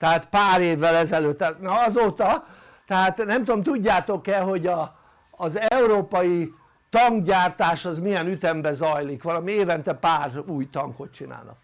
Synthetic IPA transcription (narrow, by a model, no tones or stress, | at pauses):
t̪ɛɦaːt̪paːɾeːvːɛlɛzɛløːt̪ːt̪nɒɒzoːt̪ɒ | t̪ɛɦaːt̪nɛmt̪uomt̪uɟːaːt̪o̞kɛɦo̞ɟɒː | zɛuɾoːpɒji | t̪ɒŋɡɟaːrt̪aːʃɒzmijɛnyt̪ɛmbɛzɒjlikʋɒlɒmieːvɛnt̪ɛpaːruːjt̪ɒŋko̞t̪̚t͡ʃina̰ːlnɒ̰k̚